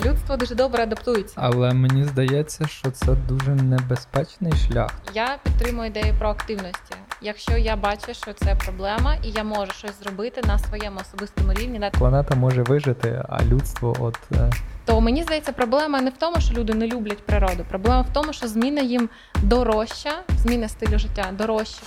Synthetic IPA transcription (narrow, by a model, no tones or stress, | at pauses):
lʲut̪st̪ʋɔd̪uʒɛd̪ɔbɾɛɐd̪ɐpt̪ujɪt͡sʲːɐɐlˠɛmenʲizd̪ɐjɛt͡sʲːɐʃt͡ʃɔt̪sɛd̪uʒɛnɛbespɛt͡ʃnɪjʃlʲa̰xjapʲit̪ːɾɪmʊjʊɪd̪ɛjʊpɾɔɐkt̪ɪwnɔsʲtʲijɐkʃt͡ʃɔjabɑt͡ʃɛʃt͡ʃɔt̪sɛpɾɔblˠɛmɐʔijamɔʒʊʃt͡ʃɔsʲzrɔbɪt̪ɪnɐsʋɔjɛmʊɔsɔbɪst̪ɔmʊɾʲiʋnʲid̪aklˠɐnɛt̪ɐmɔʒɛʋɪʒɪt̪ɪ̰ɐ̰lʲut̪st̪ʋɔ̰ʔɔ̰d̪t̪ɔmenʲizd̪ɐjɛt͡sʲːɐpɾɔblˠɛmɐnɛwt̪ɔmʊʃt͡ʃɔlʲud̪ɪnɛlʲublʲɐtʲpɾɪɾɔd̪ʊpɾɔblˠɛmɐwt̪ɔmʊʃt͡ʃɔzmʲinɐjim | d̪ɔɾɔʃt͡ʃːɐz̥ʲmʲinɐst̪ɪlʲʊʒɪtʲːad̪ɔɾɔʃt͡ʃːɐ